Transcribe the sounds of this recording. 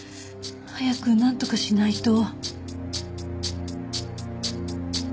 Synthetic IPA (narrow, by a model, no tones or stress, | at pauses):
hajakɯ̟nãnt̪o̞kaɕinait̪o̞